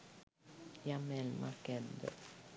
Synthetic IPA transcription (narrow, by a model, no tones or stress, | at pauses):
jamɛlma̰kɛd̪ə̰